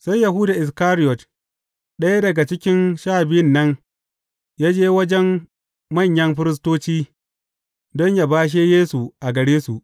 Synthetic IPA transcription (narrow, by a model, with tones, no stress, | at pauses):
sa˦jja˨ɦʊ˦daː˨ʔɪ˨s̬kaː˦ɾɪ˦jɔ˨t | ɗɐ˦ja˦dɐ˨ɡa˨t͡ʃɪ˦kʲɪ˦nʃaː˦˨bɪ˦jɪ˦nːɐ˦n | jaː˦d͡ʒeː˦wɐ˦d͡ʒɛ˦m | mɐ˦˨ɲjɐ˦mɸɪ˦ɾɪ˦s̬toː˦t͡ʃiː˦ | dɔ˦ɲja˨baː˦ʃ̬eː˦jeː˦su˨ʔa˨ɡɐ˨ɽeː˦su˨ʔ